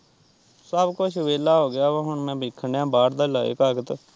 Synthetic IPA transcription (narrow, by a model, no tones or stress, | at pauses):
səbkʊt͡ʃʰʋeːlaːɦoːɡɪjaːʋãːɦʊɳmɛ̃ːbɪkʰːəɳjãːbaːɾd̪aːlaːḛkəɡət̪